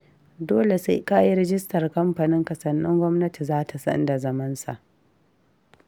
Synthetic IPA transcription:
doː˦le˨sa˦ka˦ji˦ɾɛ˦d͡ʒɪ˦stɐ˨rkɐ˦mɸa˨nɪ˦ŋkɐ˨sɐ˨nːɪ̰˦ŋɡʷɔ˦mnɐ˦ti˨zaː˦tʰa˨sɐ̰˦nda˨zɐ˦mɐ˦nsa̰˨ʔ

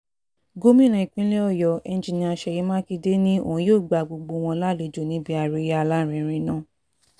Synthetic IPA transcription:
ɡo˦mĩ˦lɛ̃˨˧i˨k͡pĩ˦le˦ɔ˦˨jɔ˨ʔɛ˧n˦d͡ʒi˧nĩ˧a˧ʃɛ˧˨ji˨˦mãː˦ki˧de˦nĩ˦õ̰˨˦joː˦˨ɡ͡ba˨ɡ͡bo˧ɡ͡bo˧w̃ɔ̃˧la˦˨le˨˦d͡ʒo˨nĩ˨˦bi˧˦a˧˨ɾe˨˧˦a˧la˦˨ɾ̃ɛ̃˧˨ɾ̃ĩ˧˦nãː˦˨

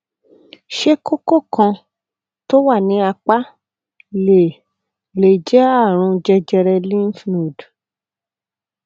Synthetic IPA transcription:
ʃe˦ko˦ko˦˨kã˧ | to˦wa˦˨nĩ˨˦a˧k͡pa˦ | le˨ | le˨d͡ʒɛ˦a˦˨ɾ̃ũ˧d͡ʒɛ˧d͡ʒɛ˧ɾɛ˧lĩ˦n˦fnũ˨d

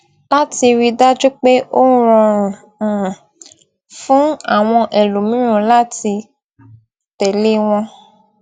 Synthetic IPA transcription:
la˦ti˧ɾi˧da˦d͡ʒu˦k͡pe˦ʔo˦ũ˦ɾɔ̃˧ɾ̃ũ˨ | fũ˦a˦˨w̃ɔ̃˧ʔe˨lu˨mĩ˨˦ɾ̃ũ˦la˦ti˧ | tɛ˨le˦w̃ɔ̃˧

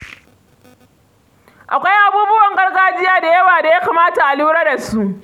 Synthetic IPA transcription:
ʔa̰˨kʷa˦jʔa˦buː˦bʊ˦wɐ˨ŋɡɐ˦rɡaː˦d͡ʒɪ˦jaː˦da˨jɐ˦waː˨da˨ja˦ka˨maː˦ta˨ʔa˨luː˦ɽaː˦da˨su˦ʔ

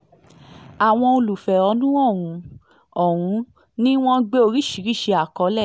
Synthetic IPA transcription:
a˨w̃ɔ̃˧o˧lu˨fɛ˨ɔ˧˦nũ˦ɔ˦˨wũ˨˧˦ | ɔ˦˨wũ˨˧˦ | nĩ˦w̃ɔ̃˦ɡ͡be˦o˧ɾi˦˨ʃi˨˦ɾi˦˨ʃe˧a˨kɔ˨˧˦lɛ˦˨

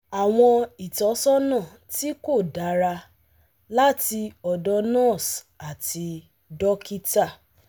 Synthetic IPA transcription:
a˨w̃ɔ̃˧i˨tɔ˨˦sɔ˦nã˦˨ | ti˦ko˦˨da˨˦ɾa˧ | la˦ti˧ɔ˨dɔ˧˦nã˦˨s | a˨ti˧ | dɔ˦ki˦ta˦˨

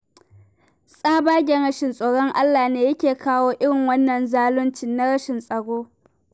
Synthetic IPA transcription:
sʼaː˦baː˦ɡʲɛ˨nɽɐ˦ʃɪ˨nsʼoː˨ɽɔ˦ŋʔa˦lːaː˨neː˦jɐ˦kʲeː˨kaː˦woː˦ʔɪ˦ɽɪ˨ŋwɐ˦nːɐ˨nzaː˦lʊ˦nt͡ʃɪ˨nːa˦ɽɐ˦ʃɪ˨nsʼɐ˨ɽoː˦

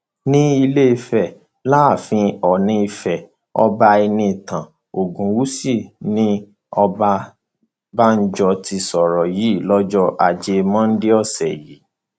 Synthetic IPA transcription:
nĩ˦i˧le˦i˧fɛ˨ | laː˦˨fĩ˧ɔ˨nĩ˧i˧fɛ˨ | ɔ̰˧ba˧i˧nĩ˧˨tã˨ | o˨ɡũ˨wu˦si˦˨nĩ˦ | ɔ˧ba˧ | ba˦n̩˦d͡ʒɔ˧ti˧sɔ˨ɾɔ˨ji˨˦˨lɔ˦d͡ʒɔ˦ʔa˨d͡ʒe˧mɔ̃˦n̩˦de˦ɔ˦˨sɛ˨ji˨˦

